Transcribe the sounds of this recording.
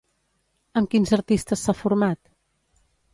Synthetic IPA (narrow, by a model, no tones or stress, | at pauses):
əmkinzəɾt̪ist̪əsːafuɾmat̪